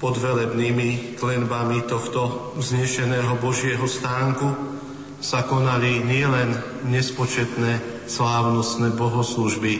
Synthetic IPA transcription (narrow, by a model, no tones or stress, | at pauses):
pɔd̪ʋɛlɛbniːmiklɛnbamit̪ɔxt̪ɔvzɲɛʃɛnɛːɦɔbɔʒɪɛɦɔst̪aːŋku | sakɔnaliɲɪɛlɛn | ɲɛspɔt͡ʃɛt̪nɛː | slaːʊnɔst̪nɛːbɔɦɔsluʒbi